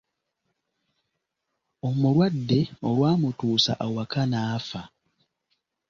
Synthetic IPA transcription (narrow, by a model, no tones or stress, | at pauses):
o̞muɾwadːe̞o̞lwaːmutuːsa̰ʔawakanaːfa